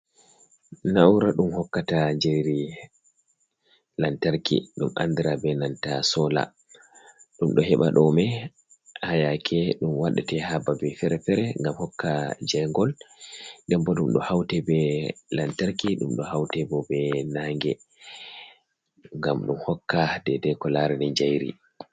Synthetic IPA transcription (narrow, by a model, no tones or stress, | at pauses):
nauɾaɗumhɔkːatad͡ʒeɾi | lantaɾkḭɗuma̰nd̪iɾabɛnantasɔla̰ | ɗumɗɔɦɛɓa̰ɗɔmɛ | hajakʰɛɗumwaɗatɛhababɛfɛɾɛfɛɾɛŋɡamhɔkːad͡ʒɛŋɡɔl | dɛmbɔɗumɗɔhawtɛbɛlantaɾkiɗṵmɗɔhawtɛbɔbɛnaŋɡɛ | ŋɡamɗumhɔkːadɛdɛkɔlaɾɛnɛɲd͡ʒajɾḭ